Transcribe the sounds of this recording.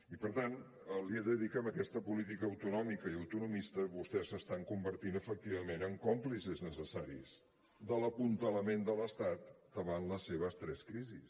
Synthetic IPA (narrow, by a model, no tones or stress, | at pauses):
ipəɾt̪an | əlieðəðikəməkɛst̪əpulit̪̬ikəːwt̪unɔmikəiəwt̪unumist̪əβust̪ɛsəst̪aŋkumbəɾt̪inəfək̚t̪iβəmenəŋkɔmplisiznəsəsaɾḭz | d̪ələpunt̪ələmend̪ələst̪at̪̚d̪əβanləseβ̞əst̪ɾɛskɾizḭs